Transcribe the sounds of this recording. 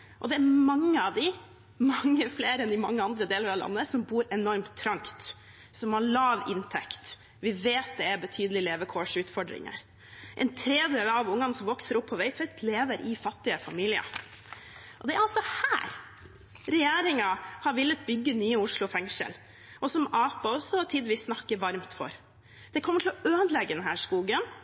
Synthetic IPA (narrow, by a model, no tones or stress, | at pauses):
ʔɔd̪ɛæɾmɑŋːəɑʋd̪ɪ | mɑŋːəfleːɾəɛnd̪ɪmɑŋːəɑnd̪ɾəd̪eːləɾɑʋlɑ̰nːəsɔmbuːɾɛnɔɾmt̪ʰːɾɑŋkt̪ | sɔmhɑɭɑːʋɪ̰nt̪ʰɛkt̪ | ʋɪʋeːt̪̚d̪ɛæbət̪ʰyːd̪əlɪleːʋəkʰɔːʂʉːt̪fɔɖɾɪ̰ŋə̰ɾ | ʔɛ̰nt̪ʰɾeːd̪eːlɑʋʊŋːɑnəsɔmʋɔksəɾɔpʰːɔʋæɪt̪ʰʋɛt̪ʰleːʋəɾʔɪfɑt̪ːɪəfɑmiːlɪə̰ | ʔɔd̪ɛæɾɑlsɔhæːɾ | ɾɛjeːɾɪŋɑhɑɾʋɪlːət̪̚bʏɡːənyːəʊʂlʊfɛŋʂə̰l | ʔɔsɔmɑːpɑɔsɔt̪ʰiːd̪əʋiːsːnɑkːəʋɑɾmt̪fɔ̰ɾ | d̪̥ɛkʰɔmːəʈʰɪlɔʔøːd̪lɛɡːəd̪ɛnɦæːʂkuːɡən